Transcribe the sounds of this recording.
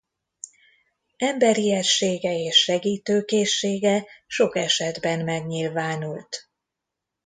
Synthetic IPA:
ɛmbɛɾiɛʃeːɡɛeːʃːɛɡiːt̪øːkeːʃːeːɡɛʃo̞kɛʃɛd̪bɛnmɛɡɲilvaːnult̪

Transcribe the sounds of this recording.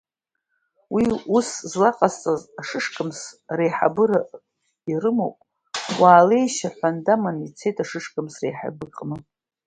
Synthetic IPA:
wiuszlaqʼast͡sʼazaʂɨʂkʰʼɨmsrejħa̰bɨɾa | irɨmo̰wpʼ | wʔaːle̞jʃaħʷandamanit͡sʰe̞jtʼaʂɨʂkʼɨmsrejħa̰bɨkʼmɨ

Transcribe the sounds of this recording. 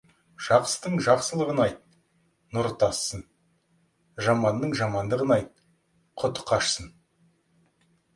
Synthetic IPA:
ʒ̥ɑqsəd̪əɴʒɑqsəlˠəʁənɑjt̪̚ | nʊɾt̪ɑsːən | ʒɑmɑnːəɴʒɑmɑnd̪əʁənɑjt̪̚ | qʰʊt̪ʊ̥qʰɑʃsən

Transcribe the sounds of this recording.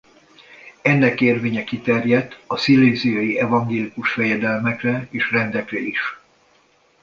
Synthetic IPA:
ɛnːɛkeːrveːɲɛkit̪ɛrjɛd̪ɒsilːeːzijɒjiɛvɒŋɡeːlikuʃfɛjɛd̪ɛlmɛkrɛeːʃrɛnd̪ɛkrɛiʃ

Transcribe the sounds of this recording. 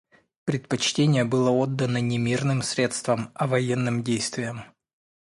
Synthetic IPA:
pɾʲɪt̪̚pɐt͡ɕtʲenʲɪjəbɨlˠəod̪ːənənʲɪmʲirnɨmsʲɾʲet̪st̪vəmɐvɐjenːɨmdʲejst̪vʲɪjəm

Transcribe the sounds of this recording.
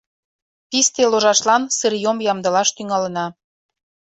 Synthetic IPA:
p̪ist̪eloʒɑʃlɑnsəɾjomjɑmd̪ɤ̆lɑʃt̪yŋɑlə̆nɑ

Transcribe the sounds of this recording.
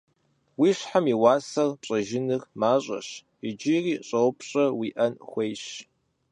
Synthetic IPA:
wiːɕħamiwɑːsɐrpɕʼɐʒɪnɨrmaːɕʼɐ̰ɕ | ɪd͡ʒɪriːɕʼɐwpɕʼɐwiːʔɐnxʷejɕ

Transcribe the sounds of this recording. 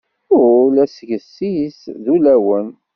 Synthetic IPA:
ʊlæsʝəsːisðulæwən

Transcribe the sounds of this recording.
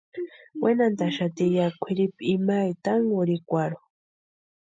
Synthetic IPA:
wenant̪aʃat̪ijakʷʰiɾipimajt̪aŋɡuɾikʷaɾo

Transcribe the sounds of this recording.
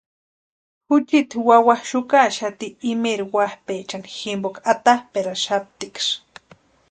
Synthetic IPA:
xʊt͡ʃit̪wawahʃʊkaʃat̪iːmeɾiwahpet͡ʃaniximbokat̪ahpeɾaʃap̚t̪ikʃ

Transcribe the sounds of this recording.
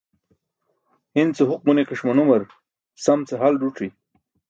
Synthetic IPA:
int͡seɦʊq̚munekɐʂmɐnumɐɾ | sɐmt͡seɦalɖuʈ͡ʂi

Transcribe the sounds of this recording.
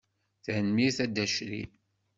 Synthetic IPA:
θænmiθæd̪æʃɾḭ

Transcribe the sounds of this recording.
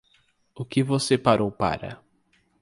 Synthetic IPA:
ʊkɪvosepaɾowpa̰ɾɐ̰

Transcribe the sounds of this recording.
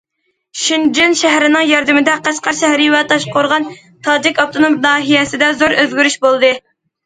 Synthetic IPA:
ʃind͡ʒinʃɛɦɾɪnɪŋjɑɾd̪ɪmɪd̪ɛqæʃqɑɾʃɛhɾɪwɛt̪ʰɑʃqoɾʁɑn | t̪ʰɑːd͡ʒɪkʲɑp̚t̪ʰonomnɑːɦijɛsɪd̪ɛzoɾøzɡʲyɾyʃbolˠd̪ɨ

